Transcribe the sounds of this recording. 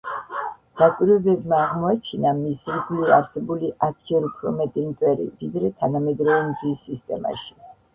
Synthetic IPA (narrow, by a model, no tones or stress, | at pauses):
d̪̥akʼwiɾwɛbɛbmaːʁmɔat͡ʃʰinamisiɾɡliaɾsɛbuliʔat̪ʰd͡ʒɛɾupʰɾɔmɛt̪ʼimt̪ʼwɛɾḭvid̪ɾɛt̪ʰanamɛd̪ɾɔvɛmd̪zisːist̪ʼɛ̰ma̰ʃi̥